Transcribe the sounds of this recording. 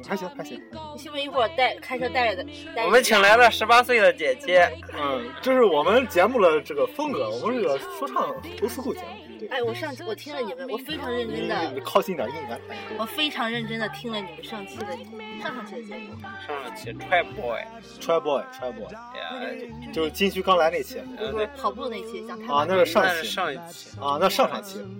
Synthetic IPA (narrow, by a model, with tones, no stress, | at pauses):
xa˧˥ɕy˧˥kʰa˥ɕi˥˩˨ɔ˨˩ɕi˥u˧˩i˧˥xwɔ˥˨˩t̪a˥˧ɪkʰa˥ʂʰt̪a˥˩ɪlə˥˩d̪ə˩˥˧ɔ˨˩mə˦nt͡ɕʰi˧˩ŋla˧˥ɪt̪ɑ˥˩ʊʂɻ̩˧˥pa˥swe˥˩ɪd̪ə˩t͡ɕjɛ˨˩t͡ɕjɛ˧˥n̩˥˩t͡ɕjo˥˧ʊʂɻ̩˥˩wɔ˨˩mə˦nt͡ɕjɛ˧˥nmu˥˩lə˩ʈ͡ʂɤ˥˩ɡə˩fɤ˥ŋkɤ˧˥wɔ˨˩mə˦ʂə˥˩ə˧ʂwɔ˥ʈ͡ʂʰɑ˥˩ŋt̪o˧˥ʂu˥xu˥˩t͡ɕɛ̰˧˥n˩t̪we˥˩a˥˩ɪwɔ˨˩ʂɑ˥˧ŋt͡ɕʰi˥wɔ˨˩t̪ʰi˥ŋlə˨ji˨˩me˥˩wɔ˨˩fe˥ɪʈ͡ʂʰɑ˧˥ŋɻə˥˩nʈ͡ʂi˧˥d̪ə˧˥˩kʰɑ˥˩ʊɕi˥˧i˥˩jə˨˩˥i˥˩nka˥˩nkʰa˧˥˩wɔ˨˩fe˥ɪʈ͡ʂʰɑ˧˥ŋɻə˥˩nʈ͡ʂə˥nd̪ə˨t̪ʰi˥ŋlə˨ni˨˩mə˧˦ʂɑ˥˧ŋt͡ɕʰi˥˩d̪ə˨˩˨ʂŋʂɑ˥ŋt͡ɕʰi˧˥d̪ə˩jɛ˧˥˩u˥˩˥ʂɑ˥˧ʂɑ˥˧t͡ɕʰʈ͡ʂʰwa˥ɪpɔ˥˩ | ʈ͡ʂʰwa˥ɪbwɔ˥˩ɪ˩ʈ͡ʂʰwa˥ɪpɔ̰˥˩˧ | t͡ɕjo˥˧ʊʂt͡ɕi˥ŋɕy˥˩kɑ˥ŋla˧˥ɪne˥˩t͡ɕʰjɛ̰˧˥˧o˥˧˥pʰɑ˨˩ʊpu˥˧na˥˩ɪt͡ɕʰɛ˥ɕjɑ˥˩ŋkʰa˧na˥˧ʂɻ̩˥˧ʂɑ˥˧ŋt͡ɕʰi˥ɑ˥˧ŋ˧˥ɐ˥˧na˥˧ʂɑ˥˧ŋʂɑ˥˩ŋt͡ɕʰi˥˩